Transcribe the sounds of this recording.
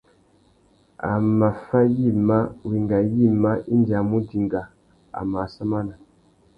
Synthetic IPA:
a̰˨ma˨fa˦ji˦˨ma˦wi˨ŋɡa˨ji˦˨ma˦ʔi˦nda˨mu˦di˨ŋɡa˨ | a̰˨ma˨sa˦ma˦na˨

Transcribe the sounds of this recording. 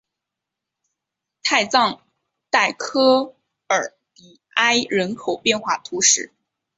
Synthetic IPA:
t̪ʰa˥˧ɪt͡sɑ˥˧ŋ | t̪a˥˩ɪkʰɤ˥ | ə˞˨˩˦ | pi˨˩ | a˥ɪɻə˧˥nkʰo˨˩ʊpjɛ˥˧nxwa˥˩t̪ʰu˧˥ʂɻ̩˥˩

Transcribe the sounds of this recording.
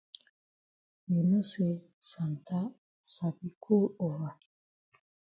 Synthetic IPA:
me˨nɔ˦se˨ | sa˨nta˦ | sa˨bi˨kʰo˦o˨wa˨

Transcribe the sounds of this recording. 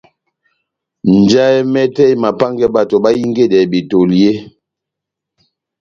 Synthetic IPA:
n˨d͡ʒa˦ɛ˦mɛ˦tɛ˦jma˨pa˦ŋɡɛ˦ba˨to˨ba˦ji˦ŋɡe˦˨dɛ˨bi˨to˨lje˦

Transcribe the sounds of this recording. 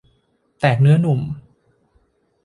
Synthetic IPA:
t̪ɛː˨˩k̚nɯ˦˥ɐnu˨˩m

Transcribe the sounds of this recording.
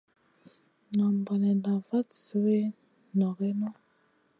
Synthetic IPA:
na˨mbɔ˨nɛ˨na˨va˦tsu˦we˦ | nɔ˨ɣɛ˦nɔ˦

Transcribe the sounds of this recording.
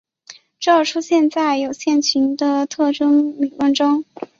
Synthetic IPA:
ʈ͡ʂɑ˥˧ʊʈ͡ʂʰu˥ɕjɛ˥˧nt͡sa˥˩ɪjo˨˩ʊɕjɛ˥˩nt͡ɕʰy˧˥nd̪ə˧t̪ʰɤ˥˩ʈ͡ʂə˥ŋmi˨˩lwə˥˩nʈ͡ʂʊ˥ŋ

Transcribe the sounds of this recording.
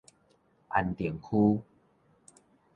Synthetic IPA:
ʔa̰˨˩nt̪ji˨˩əŋkʰu˦

